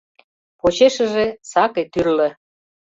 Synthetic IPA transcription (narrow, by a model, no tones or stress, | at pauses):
pot͡ɕeʃə̆ʒesɑket̪yrlə̆